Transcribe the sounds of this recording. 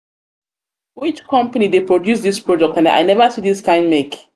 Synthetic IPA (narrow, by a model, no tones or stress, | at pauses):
wit͡ʃkɔ̃mpanidepɹodjus̬ðispɹɔd͡ʒɛk̚tãna̰jnɛvasidiskãɪ̃ndmek